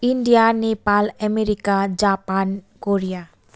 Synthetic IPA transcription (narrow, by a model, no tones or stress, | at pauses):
iɳɖijanepalɛmeɾikad͡ʑapan | koɾija